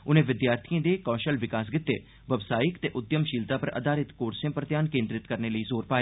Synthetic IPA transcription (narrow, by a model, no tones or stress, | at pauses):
ʊnẽːʋɪd̪jaːɾt̪ʰiãːd̪eːkɔ̃ːʃəlʋɪkaːs̬ɡɪt̪ːḛː | ʋəbsaːɪkt̪eːʔʊd̪jəmʃiːlt̪aːpəɾə̰d̪aːɾɪt̪koːɾsẽːpɾət̪jaːnkẽːnd̪ɾɪt̪kəɾneːləiːzoːɾpaːeː